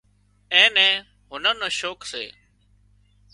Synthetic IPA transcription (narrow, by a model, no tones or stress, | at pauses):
ẽːnɛ̃ː | ɦʊnənə̃ːʃoːksḛː